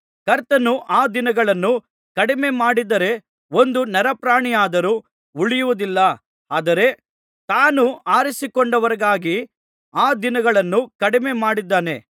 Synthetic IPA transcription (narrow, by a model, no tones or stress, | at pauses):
kɐɾt̪ɐnuʔaːd̪inɐɡɐɭɐnːu | kɐɽime̞maːɽid̪ɐɾe̞ | o̞nd̪unɛɾɐpɾaːɳijaːd̪ɐɾuː | uɭijuʋud̪ilːɐ | aːd̪ɐɾe̞ | t̪aːnuaːɾisikɔɳɖɐʋɐɾɐɡaːɡi | aːd̪inɐɡɐɭɐnːukɐɽime̞maːɽid̪ːaːne̞̰